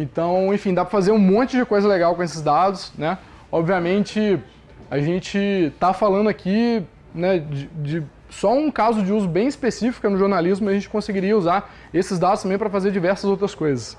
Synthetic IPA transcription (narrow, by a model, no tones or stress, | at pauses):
ẽt̪ɐ̃w̃ẽfĩd̪apɾɐfazeɾũmõnt͡ʃɪd͡ʒɪkojzɐleɡawkõesɪzd̪ad̪ʊsnɛ | ɔbviamẽnt͡ʃɪ | aʒẽnt͡ʃɪt̪afalɐ̃nd̪ʊakʰi | nɛd͡ʒɪd͡ʒɪ | sɔũkazʊd͡ʒɪuzʊbẽj̃ɪspesifi̥kɐnʊʒoɾnalizmʊjaʒẽnt͡ʃɪ̥kõsɪɡiɾiɐuzaɾ | esɪzd̪ad̪ʊsɐ̃mbẽj̃pɾɐfazeɾd͡ʒivɛɾsɐzowt̪ɾɐskojzɐs